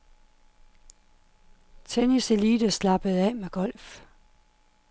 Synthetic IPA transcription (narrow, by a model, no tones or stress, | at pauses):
t͡sʰenise̝liːd̥əslɑ̈b̥əð̩ˠɛ̰meɡ̥ɒ̽l̰f